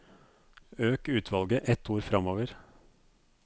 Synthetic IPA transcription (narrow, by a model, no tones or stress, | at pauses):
øːkʉːt̪ʰʋɑlɡəʔɛt̪ʰuːɾfɾɑmoːʋəɾ